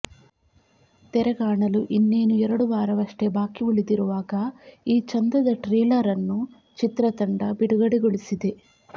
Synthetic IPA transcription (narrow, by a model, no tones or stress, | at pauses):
t̪ɛɾɐɡaːɳɐluʔinːeːnuɛɾɐɽuʋaːɾɐʋɐʂʈebaːkiuɭid̪iɾuʋaːɡɐiːt͡ʃɐnd̪ɐd̪ɐʈɾɛːlɐɾɐnːu | t͡ʃit̪ɾɐt̪ɐɳɖɐbiɽuɡɐɽiɡoɭisid̪e̞